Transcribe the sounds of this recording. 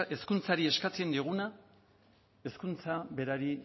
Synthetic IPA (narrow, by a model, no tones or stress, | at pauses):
e̞skunt͡saɾie̞skat͡se̞nd̪iɣ̞una | e̞skunt͡saβe̞ɾaɾi